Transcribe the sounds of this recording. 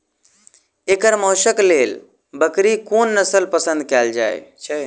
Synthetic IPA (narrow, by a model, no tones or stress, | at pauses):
ekəɾmɔːʃəkleːl | bəkɾikoːnːəsəlpəsə̃nd̪̚kald͡ʒa̰ḛ